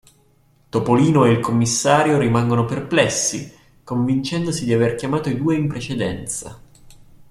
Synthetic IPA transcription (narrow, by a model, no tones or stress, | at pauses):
t̪opoliːnoeilkʰomːisːaːɾjoɾimaŋɡonoperplɛsːi | koɱvint͡ʃɛnd̪osid̪iaverkʲjamaːt̪oid̪uːeimpɾet͡ʃed̪ɛnt̪sa̰